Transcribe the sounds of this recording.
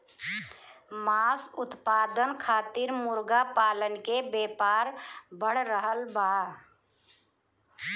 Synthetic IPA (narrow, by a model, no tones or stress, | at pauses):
maːsʊt̪paːd̪ənkʰaːt̪iɾmʊɾɡapaːlənkebeːpaːɾbəɽ̤ɾəɦəlbaː